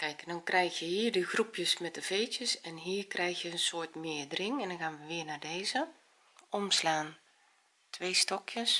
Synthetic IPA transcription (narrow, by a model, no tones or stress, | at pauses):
kɛjkdɔnkrɛjxjəhiːərdəxrupʰjəsmɛt̚dəv̥eːtjəsɛnɦiːrkrʔɛjxjəənsoːtmɪədrɪŋɛndɔnxaːnʋəʋɪənaːdeːzə | ɔmslaːn | tʰʋeːstɔkʰjəs